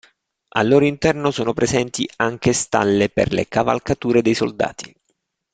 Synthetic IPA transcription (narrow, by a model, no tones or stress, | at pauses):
a̰lːoːɾoint̪ɛrnosoːnopɾezɛnt̪iaŋk̟est̪a̰lːepḛrlḛkava̰lkat̪uːɾed̪ejsold̪a̰ːt̪ʰi̥